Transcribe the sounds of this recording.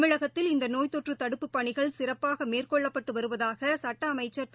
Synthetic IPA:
mɪɻɐɣɐt̪ːɪlɪnd̪ɐnoːjt̪ɔʈrɯt̪ɐɽɯpːɯpːɐɳɪɣɐɭsɪrɐpːaːɣɐmeːrkɔɭːɐpːɐʈːɯʋɐɾɯʋɐðaːɣɐsɐʈːɐːmɐɪt͡ʃːɐɾ

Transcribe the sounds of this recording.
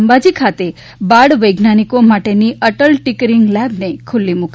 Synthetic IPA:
mbad͡ʒikʰat̪e | baɽʋəjɡnanikomaʈeniəʈəlʈikɾiŋɡlɛbnekʰʊlːimuk

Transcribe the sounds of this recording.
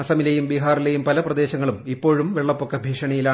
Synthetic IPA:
ɐsɐmilɐjumbiɦaːrilejumpɐlɐprɐd̪e̞ːɕɐŋːɐɭumipːo̞ːɻumʋeɭːɐpːokːɐbʱiːʂɐɳɐjilaː

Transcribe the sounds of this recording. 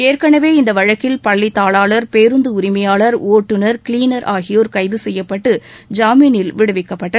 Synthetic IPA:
eːrkɐɳɐʋeːɪnd̪ɐʋɐɻɐkːɪlpɐɭːɪt̪ːaːɭaːɭɐɾpeːɾɯnd̪ɯʊɾɪmɐjaːɭɐɾoːʈːɯnɐɾkɪliːnɐɾʔaːɣɪjoːɾkɐɪðɯsɛjːɐpːɐʈːɯd͡ʒaːminɪlʋɪɽɯʋɪkːɐpːɐʈːɐ

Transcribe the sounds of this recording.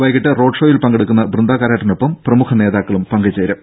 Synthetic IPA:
ʋɐjkiʈːɨro̞ːɖʂoːjilpɐŋɡɐɽukːunːɐbrɨnd̪aːkaːɾaːʈːɐno̞pːɐmprɐmukʰɐne̞ːðaːkːɐɭumpɐŋɡɐt͡ɕːeːɾɐ

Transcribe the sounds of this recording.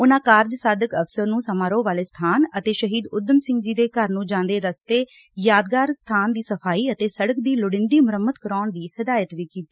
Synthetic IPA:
ʊnãːkaːɾd͡ʒsaːd̪əkəpsəɾnũːsəmaːɾõːʋaːleːst̪ʰaːnət̪eːʃəɦiːd̪ʊd̪əmsɪ̃ŋɡd͡ʒiːd̪eːkəɾnũːd͡ʒãːnd̪eːɾəst̪eː | jaːd̪ɡaːɾst̪ʰaːnd̪iːsəpʰaːiːət̪eːsəɽəkd̪iːlʊɽɪ̃nd̪iːmʊɾəmːəd̪kəɾaːɳd̪iːhɪd̪aːjət̪ʋiːkiːt̪iː

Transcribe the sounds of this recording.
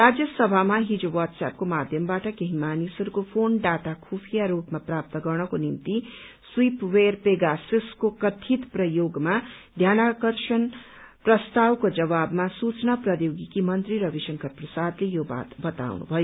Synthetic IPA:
ɾad͡zjʌsʌbʱamaɦid͡zowʌʈ̪sa̰p̚komad̪ʱjʌmbaʈʌkeɦimanisʌɾukopʰonɖat̪akʰupʰijaɾupmaprap̚t̪ʌɡʌrnʌkonimt̪i | swipwerpeɡasiskokʌt̪ʰit̪prʌjoɡmad̪ʱjanakʌrsʌn | prʌst̪awkod͡zʌβabmasut͡snaprʌjoɡikimʌnt̪riɾʌbisʌŋkʰʌrprʌsad̪lejoba̰t̪bʌt̪a̰wnṵbʱʌjo

